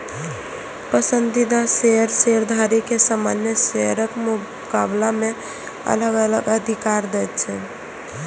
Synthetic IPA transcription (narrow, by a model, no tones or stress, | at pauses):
pəsənd̪id̪aseɦəɾseɾd̪ʱaɾikesama̰njəseəɾəkmu | kablamẽ | ə̰ləɡələɡəd̪ʱikaɾd̪ɛt͡ʃʰɛ